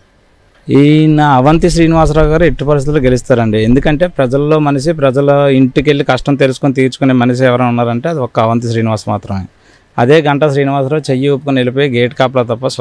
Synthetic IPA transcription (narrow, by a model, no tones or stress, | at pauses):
inaɐʋɐnt̪iʃɾiːniʋaːs̬ɾaːwɡaːɾue̞ʈːipɐɾist̪it̪uloɡe̞list̪aːɾɐɳɖiend̪ukɐɳʈe̞ːpɾɐd͡ʒɐlːo̞ːmɐnɐs̬ipɾɐd͡ʒɐliɳʈike̞lːikɐʂʈɐmt̪elus̬ukunt̪̬iːɾt͡ʃu̥kuneːmɐnɐʃ̬iɛʋɐɾɐnunːaːɾɐɳʈeːɐd̪iɔkːɐɐʋɐnt̪iʃɾiːniʋaːsmaːt̪ɾɐmeː | ɐd̪e̞ːɡɐɳʈɐʃɾiːniʋaːs̬ɾɐːt͡ʃejːiopːukunelipoːjeɡeːʈkaːp̬lɐːt̪ɐpːɐs